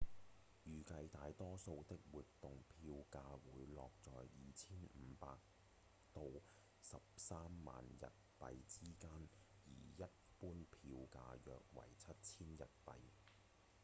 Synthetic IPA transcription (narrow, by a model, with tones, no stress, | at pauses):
jyː˨˩kɐ˧jt̪aː˨˧jt̪ɔː˥so˧wt̪ɪ˥k̚wuː˨tt̪ʊ˨ŋpʰiː˧wkaː˧wuː˨˧˥jlɔː˨k̚t͡sɔː˨jjiː˨t͡sʰiː˥nmm̩˨˧˦paː˧k̚ | t̪o˨w | sɐ˨p̚saː˥mːa̰ː˨njɐ̰˨t̚pɐ˨jt͡siː˥kaː˥n | jḭː˨˩jɐ˥t̚puː˥npʰiː˧wka̰ː˧jœ̰ː˨k̚wɐ̰˨˩jt͡sʰɐ˥t̚t͡sʰiː˥njɐ̰˨t̚pɐ̰˨j